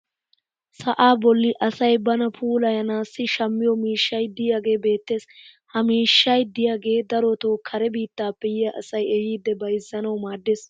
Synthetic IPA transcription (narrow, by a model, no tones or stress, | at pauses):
sɐʔaːbɔlːɪʔɐsɐjbɐnɐpʰuːlɐjɐnaːsːɪʃɐmːɪjɔmiːʃːɐjd̪ɪjaːɡe̞ːbe̞ːt̪ːe̞ːshɐmiːʃːɐjd̪ɪjaːɡe̞ːd̪ɐɾɔt̪oːkʰɐɾɛbiːt̪ːaːpːɛjɪjɐʔɐsɐjɛjiːd̪ːɛbɐjɪzːɐnɐwmaːd̪ːeːs